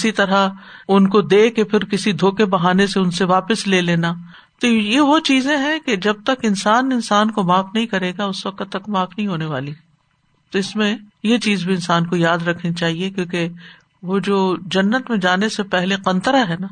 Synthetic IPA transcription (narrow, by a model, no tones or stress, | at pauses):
ɪsit̪ɐɾa | ʊnkod̪eːkepʰɪɾkɪsid̪ʱoːkebɐɦaːneseʊnseʋaːpəsleːleːna | t̪ojeʋot͡ʃiːzẽɦɛ̃ked͡ʒɐb̚t̪ɐkɪnsaːnɪnsaːnkomaːfnɐɦĩkɐɾeːɡaʊsʋɐqt̪ːɐkmaːfnɐɦĩɦoːneʋaːli | t̪oɪsmẽjet͡ʃiːzbʱiɪnsaːnkojaːd̪ɾɐkʰnit͡ʃaːɦiekjõːke | ʋod͡ʒoːd͡ʒɐnːət̪mẽd͡ʒaːnesepɛɦleqɐ̃nt̪əɾaɦɛna